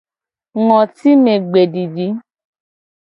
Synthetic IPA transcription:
ŋɔ̃˨ti˦me˧ɡ͡be˨di˨di˨˦

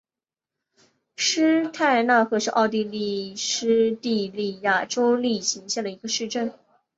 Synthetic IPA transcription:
ʂɻ̩˥t̪ʰa˥˧ɪna˥˩xɤ˧˥ʂɻ̩˥˧ʔɑ˥˧ʊt̪̬i˥˧li˥˩ʂɻ̩˥t̪i˥˧li˥˧ja˥˩ʈ͡ʂo˥ʊli˥˩ɕi˧˥ŋɕjɛ˥˩nd̪ə˩i˧˥ɡə˧ʂɻ̩˥˧ʈ͡ʂə˥˩n

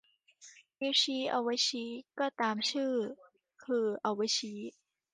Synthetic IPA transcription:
bi˧˥wt͡ɕʰiː˦˥ʔa̰˧˩wa˧˥jt͡ɕʰiː˦˥kɔː˥˩t̪aː˨mt͡ɕʰɯː˥˩ | kʰɯː˧ʔa˧˩wa˧˦jt͡ɕʰiː˦˥

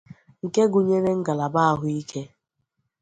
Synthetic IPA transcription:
ŋ̩˨ke˦ɡʊ˨ɲe˦ɾe˦ŋ̩˦ɡa˨la˨ba˦a˨ɦʊ˨˦i˦kʰe˦

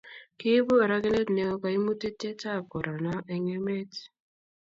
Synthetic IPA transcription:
kɪ˦bo˦˨ɾa˦ɡe˦ne˦tne˨o˦ka˨i˦mu˦te˦te˦ta˦˨ko˨ɾɔ˨nɔ˦ʔɛ˨ŋe˦me˦t

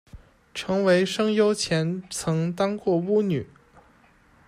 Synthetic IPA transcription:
ʈ͡ʂʰɤ˧˥ŋwe˧˥ɪʂɤ˥ŋjo˥ʊt͡ɕʰjɛ˧˥nt͡sʰɤ˧˥ŋt̪ɑ˥ŋkwɔ˥˩u˥ny˨˩˦

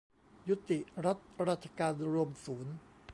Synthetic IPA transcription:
ju˦˥t̪i˨˩ʔɾa˦˥t̪̚ɾa˦˥t̪t͡ɕʰːḁ˧kaː˧nɾu˧əmsuː˩˦n

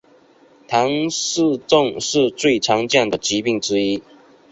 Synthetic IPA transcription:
t̪ʰɑ˧˥ŋʂ̩˥˧t͡sʊ˥˧˨ŋʂɻ̩˥˧t͡swe˥˩ɪʈ͡ʂʰɑ˧˥ŋt͡ɕjɑ˥˩ŋd̪ə˩t͡ɕi˧˥pi˥˩ŋʈ͡ʂɻ̩˥i˥

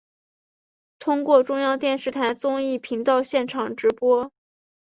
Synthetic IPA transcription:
t̪ʰʊ˥ŋkwɔ˥˩ʈ͡ʂʊ˥ŋjɑ˥˧ʊt̪jɛ˥˧nʂɻ̩˥˩t̪ʰa˧˥ɪt͡sʊ˥ŋi˥˩pʰi˧˥ŋt̪ɑ˥˧ʊɕjɛ˥˩nʈ͡ʂʰɑ˨˩ŋʈ͡ʂɻ̩˧˥pwɔ˥

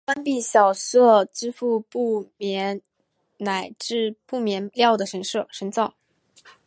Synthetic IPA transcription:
fa˥npi˥˩ɕjɑ˨˩ʊʂɤ˥˩ʈ͡ʂɻ̩˥fu˥˧pu˥˩mjɛ˧˥n | na˨˩ɪʈ͡ʂɻ̩˥˧pu˥˩mjɛ˧˥nljɑ˥˩ʊd̪ə˩ʂə˧˥nʂɤ˥˩ʂə˧˥nt͡sɑ˥˩ʊ

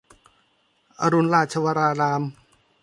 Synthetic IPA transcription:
ʔa˧ɾu˧nɾaː˧˩t̪̚t͡ɕʰa˧waː˧ɾaː˧ɾaː˧m

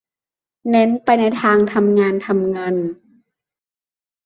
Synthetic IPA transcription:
nɛ˧˥˨npa˧jna˧jt̪ʰaː˧ŋt̪ʰa˧mŋaː˧nt̪ʰa˧mŋaː˧˨n

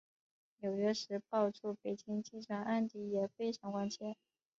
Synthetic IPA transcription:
njo˨˩ʊɥɛ˥ʂɻ̩˧˥pɑ˥˧ʊʈ͡ʂʰu˥˩pe˨˩ɪt͡ɕi˥ŋt͡ɕi˥˩ʈ͡ʂʰwa˥nʔa˥˧nt̪i˧˥˩jɛ˨˩fe˥ɪʈ͡ʂʰɑ˧˥ŋkwa˥nt͡ɕʰjɛ˥˩n

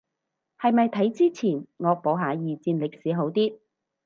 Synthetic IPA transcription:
hɐ˨jmɐ˨jt̪ʰɐ˨˥jt͡siː˥t͡sʰiː˨˩nŋɔː˨˧k̚po˨˥wɦaː˨˥jiː˨t͡siː˧nlɪ˨k̚siː˨˥ɦo˨˥wt̪iː˥

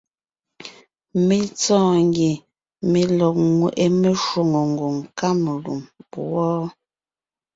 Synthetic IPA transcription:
me˨t͡sɔ̃ː˦˨ŋɡje˨ | me˨lɔ˨k̚ŋwe˨ʔe˦me˦ʃwo˨ŋo˨ŋ̩˨ɡo˨ŋka˦me˨lṵ˨mpu˨wɔː˦

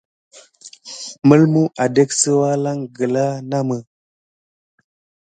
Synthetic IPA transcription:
mə˦lmu˦ʔa˨de˦ksə˦wa˦la˦ŋɡə˨la˦na˦mə˨

